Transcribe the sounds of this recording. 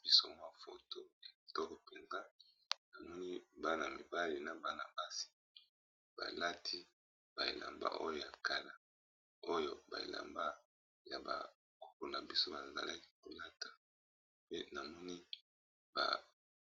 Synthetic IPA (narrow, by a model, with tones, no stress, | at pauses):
bi˨sɔ˨ŋ˦a˦fo̰˨to˦ja˨i˨tɔ˦ko˨pe˨nza˦ | na˨mɔ˦ni˦ba˦na˨mi˨ba˦li˨na˨ba˦na˨ba˦si̥˨ | b̥a̰˨la˦tʰi˦ | b̥a˨ḛ˨lʔa̰˨mba̰˦ʔo˦jo˦ja˨ka˨la˨ | o˦jo˨ba̰˨ḛ˨la̰˨mba˦ | ja˨ba̰˨ | ko̥˨ko˨na˨bi˦so˦ba˨za̰˨la˦ki̥˦ko˨la˦tʰḁ˨ | pe˦na˨mɔ˦ni˦ | ba̰˨